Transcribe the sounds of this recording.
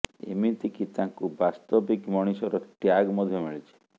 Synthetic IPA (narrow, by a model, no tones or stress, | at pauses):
ḛmit̪ikit̪aŋkubast̪ɔbikmɔɽ̃isɔɾɔʈjaɡmɔd̪ʱjɔmiɭit͡ʃʰi̥